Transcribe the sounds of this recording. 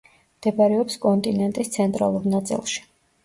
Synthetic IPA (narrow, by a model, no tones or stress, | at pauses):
md̪̥ɛbaɾɛɔpskʼɔnt̪ʼinɛnt̪ʼist̪sʰɛnt̪ʼɾa̰lˠuɾnat̪sʼḭlˠʃi̥